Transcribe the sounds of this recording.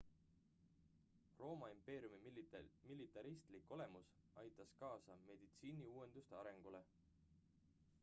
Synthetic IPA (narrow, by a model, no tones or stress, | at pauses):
ro̞ːmɑimpe̞ːɾijumimilit̪ːˑɑɾist̪likːˑo̞le̞mus | ɑjt̪ːˑɑskɑːsɑme̞d̪̥it̪siːniuːwe̞nd̪̥ust̪eɑɾe̞ŋɡ̥ule̞